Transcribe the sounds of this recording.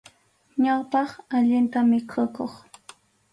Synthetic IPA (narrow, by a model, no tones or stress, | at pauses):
ɲawpɑχaʎɪnt̪amɪkʰʊkoχ